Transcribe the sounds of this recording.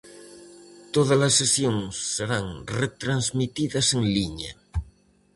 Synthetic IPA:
t̪oð̞alasːesjoŋsːeɾaŋret̪ɾanzmit̪iðaseŋliɲa

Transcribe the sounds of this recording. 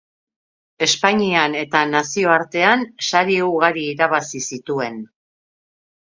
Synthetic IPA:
e̞spaɲiane̞t̪anasio̞aɾt̪e̞ansaɾiuɾɣaɾiːɾaβasisit̪ue̞n

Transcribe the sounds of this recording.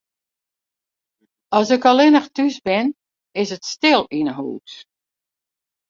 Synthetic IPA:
ɔsɪkɔlˠɪnəxtysbɪn | ɪsətstɪlˠinəɦṵːt

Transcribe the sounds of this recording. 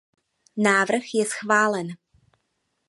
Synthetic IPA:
naːvr̩xjɛsxvaːlɛn

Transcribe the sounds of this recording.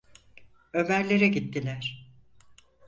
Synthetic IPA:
ø̞mæɾlʲe̞ɾɛɟit̪ːilʲæɾ̥

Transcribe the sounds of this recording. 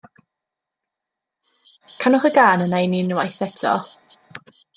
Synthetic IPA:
kʰanɔχəɡaːnənajninwajθɛtʰɔ̰

